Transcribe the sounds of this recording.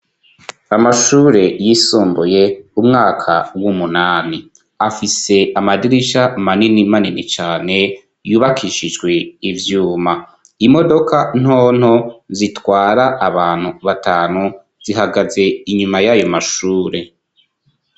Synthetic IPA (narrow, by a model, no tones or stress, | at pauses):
amaʃuːɾe̞jisuːmbuje̞umŋaːkʰawumunaːni | afise̞ʔamadiɾiʃamaninimaninit͡ʃaːne̞ | juːβakʰiʃid͡ʒɡwe̞ivjuːma | imo̞do̞kan̥oːn̥hozitwaːɾaʔaβaːn̥huβataːnu | z̥iɦaɡaze̞iɲumajajo̞maʃuːɾe̞